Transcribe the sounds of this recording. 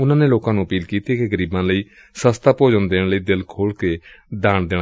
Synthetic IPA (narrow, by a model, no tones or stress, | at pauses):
ʊnãːneːloːkãːnũːəpiːlkiːt̪iːkeɡəɾiːbãːləiː | səst̪aːpoːd͡ʒənd̪eːɳləiːd̪ɪlkʰoːlkeːd̪aːɳd̪ɪ